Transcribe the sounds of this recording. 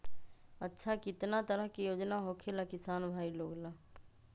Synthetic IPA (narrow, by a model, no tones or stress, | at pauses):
ɐtːʃʰakɪt̪nat̪əɾəɦkijoːd͡ʒnaɦokʰelakɪsaːnbʱaːiloːɡla